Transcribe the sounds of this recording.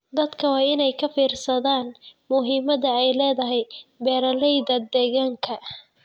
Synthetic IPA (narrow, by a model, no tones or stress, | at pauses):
d̪ɐd̪kʰɐwɑːɪnɛjkʰɐfiːrsɐðaːnmʊɦiːmɐðɐɛjlɛːðɐɦɛjbɛːɾɐlɛjðɐd̪ɛːɣaːŋkʰɐ